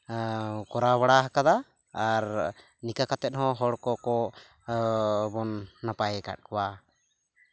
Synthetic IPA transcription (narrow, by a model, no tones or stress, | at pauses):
kɔɾaβaɽaɦakad̪aː | ɾ | nikakat̪ɛt̪̚ɦɔ̃ɦɔɽkɔkɔ | bɔnːapajɛka̰t̚kɔwa